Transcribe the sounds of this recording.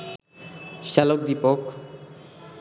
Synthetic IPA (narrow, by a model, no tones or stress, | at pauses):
ʃɛlokd̪ipok